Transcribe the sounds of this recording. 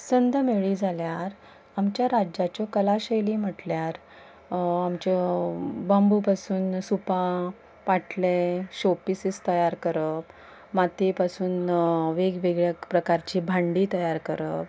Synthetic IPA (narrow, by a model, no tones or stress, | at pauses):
sənd̪ʱəmeɭid͡zʱaljaɾ | amt͡ɕjaɾad͡ʑat͡ɕɔkəlaɕejliːm̤əʈljaɾ | amt͡ɕɔbambupasuːnsupã | ʋaʈleɕopisist̪əjaɾkəɾəp | mat̪ipasuːnʋeɡʋeɡɭjakpɾəkaɾt͡ɕiːbʱaɳɖiːt̪əjaɾkəɾəp̚